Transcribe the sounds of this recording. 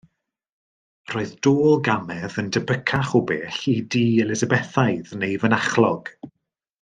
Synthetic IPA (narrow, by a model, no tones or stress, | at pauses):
roːɨðd̥oːlˠɡamɛðəndəbəkʰaχobeːɬidiːɛlˠɪzəbɛθajðnejvənaχlˠɔɡ̥